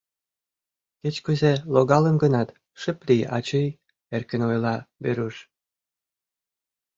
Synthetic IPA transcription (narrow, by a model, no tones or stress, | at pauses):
ket͡ɕkuzeloɣɑlənɡənɑt̪ | ʃə̆plʲijɑ̰t͡ɕɤj | erkə̆nojlɑbeɾuʃ